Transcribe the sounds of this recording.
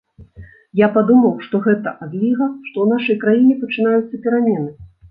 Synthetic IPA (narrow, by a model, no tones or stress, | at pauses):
japad̪umɐwʂt̪ɔɣɛt̪ɐ̰ʔad̪lʲiɣɐʂt̪ɔwnaʂɐjkɾajinʲɛpɐt͡ʂɨnajut̪sɐpʲɛɾamʲɛnɨ